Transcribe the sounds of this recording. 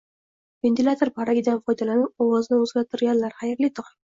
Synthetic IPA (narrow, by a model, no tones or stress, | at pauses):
ve̞nt̪ʰɪlʲˠat̪ʰoɾpʰaɾaɡʲɪd̪anfɒjd̪alanɪp̚ɒwɒznɪɵzɡʲat̪ʰʊɾɡʲanlaɾhajɪɾlɪt̪ʰʊqɪ̥